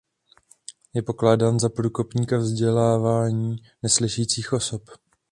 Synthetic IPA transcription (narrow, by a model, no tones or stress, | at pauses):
jɛpo̞klaːdaːnzapɾuːko̞pɲiːkavzɟɛlaːvaːɲiː | nɛslɪʃɛjiːt͡siːxʔo̞so̞p